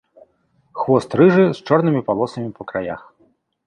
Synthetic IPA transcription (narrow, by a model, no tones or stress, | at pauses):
xvɔst̪ɾɨʐɨst͡ʂɔrnɨmʲipalˠɔsɐmʲipɔkɾaja̰x